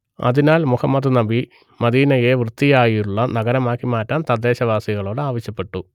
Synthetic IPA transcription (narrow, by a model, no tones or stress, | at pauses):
ɐ̰ðinaːlmuhɐmːɐd̪ɨnɐbi | mɐd̪iːnɐje̞ʋrɨt̪ːijaːjiuɭːɐnɐɡɐɾɐmaːkːimaːtːaːnt̪ɐd̪ːe̞ːɕɐʋaːsiɣɐɭo̞ːɽɨaːʋɐɕjɐpːe̞ʈːu